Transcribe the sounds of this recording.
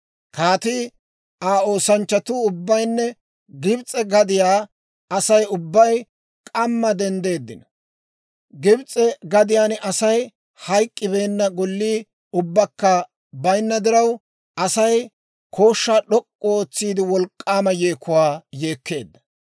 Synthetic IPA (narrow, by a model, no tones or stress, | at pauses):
kaːt̪iː | aːoːsɐnt͡ʃːɐt̪uːʊbːɐjnːɛ | ɡɪbt͡sʼɛɡɐd̪ɪjaː | ɐsɐjʊbːɐj | kʼɐmːɐd̪ɛnd̪e̞ːd̪ːɪ̰nɐ | ɡɪbt͡sʼɛɡɐd̪ɪjaːnɐsɐj | hɐjkʼːɪbe̞ːnːɐɡɔlːiː | ʊbːɐkːɐ | bɐjnːɐd̪ɪɾɐw | ɐsɐj | kʰo̞ːʃːaːɗɔkʼːɔoːt͡sːiːd̪ɪwɔlkʼːaːmɐjeːkːʊwaːjeːkːe̞̰ːd̪ːɐ̥